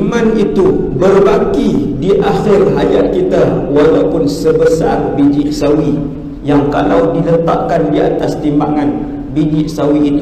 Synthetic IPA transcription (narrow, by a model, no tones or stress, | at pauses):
mãnit̪u | bərbakidiʔaxɪrɦajat̪̚kit̪awalawpʊnsəbəsa̰rbid͡ʒɪʔsawi | jaŋka̰lawdilət̪a̰ʔ̚kandia̰t̪ast̪imbaŋan | bid͡ʒɪʔsawiːt̪u